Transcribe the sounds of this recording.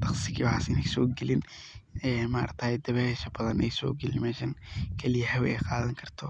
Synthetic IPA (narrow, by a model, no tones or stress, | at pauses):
t̪ʰɑχsɪkiwħa̰sɪnɪksɔːɡɛlɪn | ɛːmaːɾt̪ʰaːjd̪ɐβɛʃɐbɐðɐnɛjsɔ̰ːɡɛlɪnmɛːʃɐŋkʰɛlɪjɐhɛwʔɛjqɑːðɐŋkʰɐrt̪ʰɔ